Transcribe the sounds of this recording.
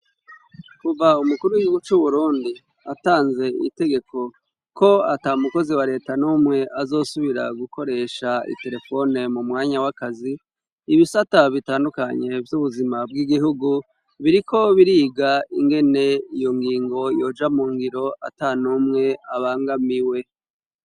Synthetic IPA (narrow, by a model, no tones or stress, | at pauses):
kuvaumukuɾuwiɡiuɡut͡ʃuβuɾuːndi | ataːnze̞ḭte̞ɡe̞ko̞ | kʰo̞atamuko̞ziwaɾe̞ːtanuːmŋe̞ʔazo̞ːsuβiɾa̰ɡukʰo̞ɾe̞ːʃaḭte̞ɾe̞fo̞ne̞mumŋaːɲawakaziː | βisataβitaːndukaɲe̞vjuβuzimab̚ɡiɡiɦuɡu | βiɾiko̞βiɾiːɡaiŋɡe̞ne̞ijo̞ŋɡiːŋɡo̞jo̞ːd͡ʒamuːŋɡiɾo̞a̰tanuːmŋe̞aβaːŋɡamiwe̞